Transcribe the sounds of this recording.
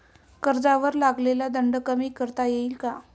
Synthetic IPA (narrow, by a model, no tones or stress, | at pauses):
kəɾd͡zaʋəɾlaɡlelad̪əɳɖəkəmiːkəɾt̪ajeiːlka